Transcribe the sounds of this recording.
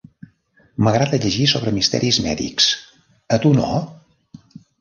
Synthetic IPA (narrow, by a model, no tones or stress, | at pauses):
məɣɾaðəʎəʒisoβ̞ɾəmist̪ɛ̰ɾizmɛ̰ðḭks | ət̪uno̰